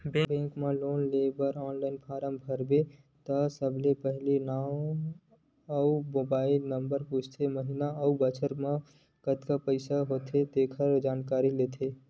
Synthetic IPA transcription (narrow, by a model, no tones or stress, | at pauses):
bẽːbẽːkmẽloːnleːbəɾɔːnlaːɪnpʰaːɾəmbʱəɾbe | t̪əsəbʱlepəɦlinaːw | əumoːbaːɪlnəmbəɾpuːt͡ʃʰt̪ʰeməɦinaəubət͡ʃʰəɾmã | kət̪kapəɪsaɦoːt̪ʰed̪eːkʰəɾd͡ʒaːnkaːɾileːt̪ʰe